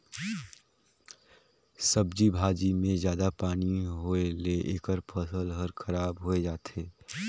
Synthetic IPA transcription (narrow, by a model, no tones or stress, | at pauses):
səbd͡ʒibʱaːd͡ʒimẽzjaːd̪apaːniɦoeleʔeːkəɾpʰəsəlɦəɾkʰɐɾaːbɦoːed͡ʒaːt̪eː